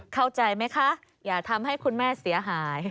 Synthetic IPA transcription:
kʰa˥˩wt͡ɕa˧jma˦˥jkʰa˦˥ʔ | jaː˨˩t̪ʰa˧mha˥˩jkʰu˧nmɛː˥˩si˩˦ɐɦaː˩˦j

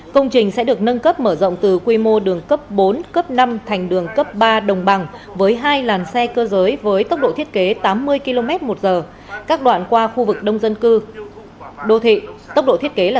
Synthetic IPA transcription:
kə˧wŋ͡mt͡ɕï˨˩ŋ̟sɛ̰˧˥ɗɨ˨˩ək̚nə˧nkə˦˥p̚məː˧˩zə̰˧˨wŋ͡mt̪ɨ˨˩kwi˧mo˧ɗɨ˨˩əŋkə˦˥p̚ɓo˨˦nkə˦˥p̚na˧mt̪ʰa˨˩ŋ̟ɗɨ˨˩əŋkə˦˥p̚ɓaː˧ɗə˨˩wŋ͡mɓa˨˩ŋvəː˨˦jɦaː˧jlaː˨˩nsɛ˧kəː˧zəː˨˦jvəː˨˦jt̪ə˦˥wk͡p̚ɗo̰˧˨t̪ʰi˦˥ət̚ke˨˦t̪aː˨˦mːɨ˧əjki˧lo˧mɛ˦˥t̚mo˨˩t̚zəː˨˩ | kaː˦˥k̚ɗwa̰ː˧˨nkwaː˧xu˧vɨ˨˩k̚ɗə˧wŋ͡mzə˧nkɨ˧ | ɗo˧t̪ʰḭ˧˨t̪ə˦˥w̚ɗo̰˧˨t̪ʰət̚ke˨˦laː˨˩

